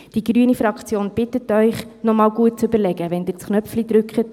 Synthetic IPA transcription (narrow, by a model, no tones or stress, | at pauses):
d̥iɡɾyənifɾɑkχt͡sjoːnb̥ɪtətœʏχnɔmɑːlɡuət̚t͡søbəɾlɛɡəʋɛndɪt͡sknœpflid̪ɾʉkχət